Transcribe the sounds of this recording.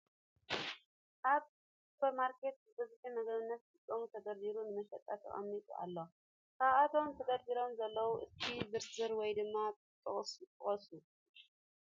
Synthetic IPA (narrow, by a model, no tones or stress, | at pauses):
ʔaβ | supʰɐɾmaɾke̞t̪̚zɨbɐzuħimɐɡɐβɨnːɐt̪zɨkʼːomut̪ʰɐɡɐɾd̪iɾunɨmɐʃɐt̪ʼːat̪ʰɨ̰a̰mnit̪ʼṵʔa̰lːo | kʰaβat̪ʰo̞mt̪ʰɐɡɐɾd̪iɾo̞mzɐlːɐwuʔɨst̪ʰibɨɾzɨɾwɔjd̪ɨmːab | t̪ʼːɐχʼsjɨt̪ʼːɨ̰χʼɐsu